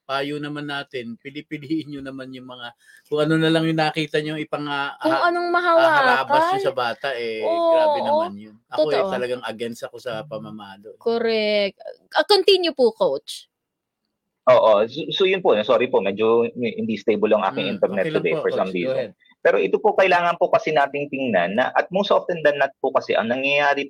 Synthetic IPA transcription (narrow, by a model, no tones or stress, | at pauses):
paːjonɐmanːaːt̪ɪnpɪlɪpɪliʔɪnɲonɐmanjʊŋmɐŋa | kʊŋɐnonɐlɐŋjʊŋnɐkiːt̪ɐɲoŋɪpɐŋakʊʔɐnoŋmɐɦawaːaːbɐosɐbaːt̪ɐʔɛoːaːɪmanjʊnʔɐotot̪ɐlɐɡaŋʔɐɡɛnsɐko̞sɐpɐmamɐalokoɾɛk̚t̪ʔɐkont̪injʊpʊkowt͡ʃ | ʔoːʔososojʊnpoʔnɐsoːɾɪpoʔmɛːd͡ʒohɪnd̪ist̪ejbʊloɐŋʔa̰ːkɪŋʔɪnt̪ɛɾnɛt̪ːʊd̪ɛjfɔɹsɐmɾiːzɛ̰n | pɛːɾo̞ʔɪt̪opokɐʔlaːŋɐnpokɐsɛnaːt̪ɪŋt̪ɪŋnanːɐ̰ʔɐt̪̚mowsʔoft̪ɛnd̪ɐnːɐt̪̚pʊkɐsɛʔɐ̰ŋnɐŋjɐjaːɾɪ